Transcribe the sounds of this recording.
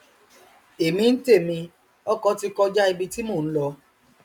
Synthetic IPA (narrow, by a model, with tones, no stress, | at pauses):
e˨mĩ˧n̩˦te˦˨mĩ˧ | ɔ˦kɔ˦ti˧kɔ˧d͡ʒa˦i˧bi˧ti˦mo˦˨ñ̩˦lɔ˧